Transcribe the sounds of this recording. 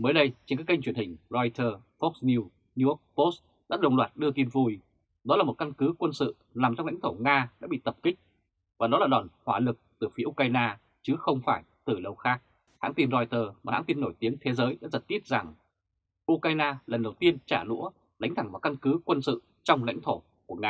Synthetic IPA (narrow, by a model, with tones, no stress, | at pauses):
məː˨˦jɗə˧jt͡ɕe˧nkaː˦˥ka˧ŋ̟t͡ɕwi˧˩ənhï˨˩ŋ̟zɔ˧jt̪ʰəː˧ | fɔ˦˥k̚sni˧w | ni˧ɔ˦˥k̚po˦˥s | ɗa̰ː˧˥ɗə˨˩wŋ͡mlwaː˨˩t̚ɗɨ˧ət̪i˧nvu˧˩j | ɗɔ˨˦laː˨˩mo˨˩t̚ka˧nkɨ˨˦kwə˧nsɨ̰˧˨ | naː˨˩mt͡ɕɔ˧wŋ͡ml̰ŋ̟t̪ʰo˧˩ŋaː˧ɗa̰ː˧˥ɓḭ˧˨t̪ə˨˩p̚kï˦˥k̟̚ | vaː˨˩ɗɔ˨˦laː˨˩ɗɔ˨˩nhwaː˧˩lɨ˨˩k̚t̪ɨ˨˩fi˨˦ʔu˧kwaː˧jnaː˧ | t͡ɕɨ˨˦xə˧wŋ͡mfaː˧˩jt̪ɨ˨˩ɗə˨˧˩wxaː˦˥k̚ | ha̰˧˥ŋt̪i˧nzɔ˧jt̪əː˧˩maː˨˩ha̰ː˧˥t̪i˧nːo˧˩jt̪i˨˦ənt̪ʰe˨˦zəː˨˦jɗa̰ː˧˥zə˨˩t̚t̪i˦˥t̚za˨˩ŋ | ʔu˧kwaː˧jnaː˧lə˨˩nɗə˨˩wt̪i˧ənt͡ɕaː˧˩lṵ˧˥ə | la̰˨˦jŋ̟t̪ʰa˧˩ŋvaː˨˩ka˧nkɨ˨˦kwə˧nsɨ̰˧˨ | t͡ɕɔ˧wŋ͡mla̰˧˥jŋ̟t̪ʰo˧˩ | ku˧˩əŋaː˧